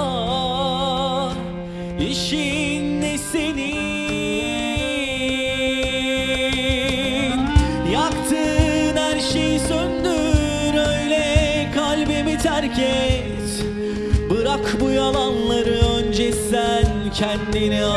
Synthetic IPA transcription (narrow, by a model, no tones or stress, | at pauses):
iʃinːeseni | jakt̪ʰɯnhæɾʃejsønd̪y | ɾøjlʲɛ | kʰalʲbemit̪ʰæɾcʰɛ | t̪ | bɯɾakbujalˠanlˠaɾɯønd͡ʒɛsæn | cʰɛnd̪ini